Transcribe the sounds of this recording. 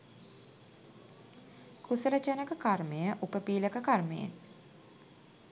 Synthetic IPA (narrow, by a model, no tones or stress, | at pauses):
kusəɾət͡ʃanəkəkarmejəʔupəpiːləkəkarmejḛn